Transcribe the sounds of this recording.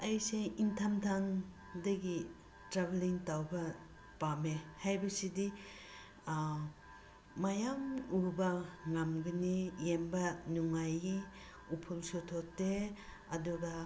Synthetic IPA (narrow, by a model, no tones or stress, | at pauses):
ajseintʰamtʰaŋ | dɐɡi | tɾabeliŋtawbɐ | pamehajbɐsidi | majamubɐŋamɡinijembɐnuŋaji | upʰulsotʰɔtːe | ɐduɡa